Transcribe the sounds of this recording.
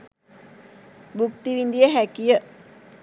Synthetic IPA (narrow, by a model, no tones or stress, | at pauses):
bukt̪iʋind̪ijəɦækijə